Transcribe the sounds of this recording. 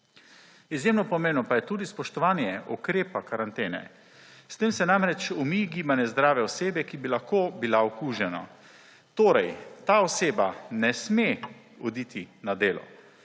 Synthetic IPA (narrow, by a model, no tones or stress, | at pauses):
izjeːmnɔpɔmeːwnɔpajɛt̪uːd̪ispɔʃt̪ɔʋaːnjɛʔɔkɾeːpakaɾant̪eːnɛ̰ | st̪eːmsɛnamɾɛt͡ʃɔmiɡiːbanɛzd̪ɾaːʋɛɔseːbɛkibilaxkoːbilaɔkuːʒɛna̰ | t̪oːɾɛjt̪aːɔseːbanɛsme | ɔd̪iːt̪ʰinad̪eːlɔ̰